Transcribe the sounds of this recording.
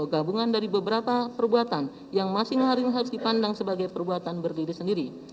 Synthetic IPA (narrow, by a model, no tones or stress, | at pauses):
ɡabuŋandaɾibəbəɾapapərbuat̪an | jaŋmasɪŋməɦaɾɪməɦaɾʊsdipandaŋsəbaɡajpərbuat̪anbərdiɾisəndiɾi